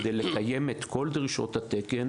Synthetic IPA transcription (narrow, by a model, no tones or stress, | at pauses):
d̪ejlekajemet̪ko̞ld̪ʁiʃo̞̰t̪hat̪eken